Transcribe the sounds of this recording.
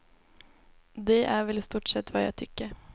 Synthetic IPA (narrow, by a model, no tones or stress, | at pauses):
d̪ɛʔæɾʋɛlst̪uːʈsɛt̪ːʋɑːjæ̰ɪt̪ʰʏkːəɾ